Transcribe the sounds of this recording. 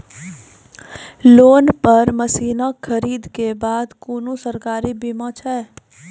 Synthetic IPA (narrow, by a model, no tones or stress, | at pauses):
loːnpəɾməsiːnakʰɐɾiːd̪kebaːd̪kuːnũsəɾkaːɾibimãt͡ʃʰɛː